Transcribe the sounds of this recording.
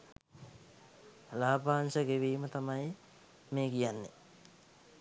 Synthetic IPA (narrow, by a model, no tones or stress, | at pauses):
laːbaːnsəɡeʋiːmət̪amaj | meːɡijanːḛ